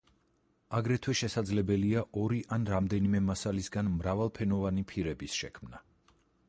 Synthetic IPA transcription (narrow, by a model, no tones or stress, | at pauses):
aɡɾɛt̪ʰwɛʃɛsad̪zlɛbɛliaʔɔɾiʔanɾamd̪ɛnimɛmasalisɡanmɾavalˠpʰɛnɔvanipʰiɾɛbisʃɛkʰmna